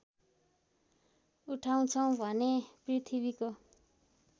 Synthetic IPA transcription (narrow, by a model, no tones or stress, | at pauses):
uʈʰaw̃t͡sʰʌw̃bʱʌneprit̪ʰiβiko